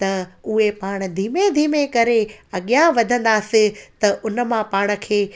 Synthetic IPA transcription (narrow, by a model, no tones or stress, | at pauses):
t̪ɐʊɦepaːɽ̃̆d̪ʱiːmed̪ʱiːmekɐɾeɐɠijãʋɐd̪ʱə̃nd̪aːsɪt̪ɐʔʊnə̆mãpaːɽ̃ə̆kʰeː